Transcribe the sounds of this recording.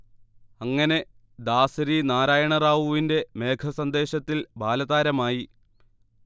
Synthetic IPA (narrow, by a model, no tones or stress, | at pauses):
ɐŋːɐne̞ | d̪aːsɐɾinaːɾaːjɐɳɐraːʋuʋinde̞me̞ːkʰɐsɐnd̪e̞ːɕɐt̪ːilbʱaːlɐðaːɾɐmaːji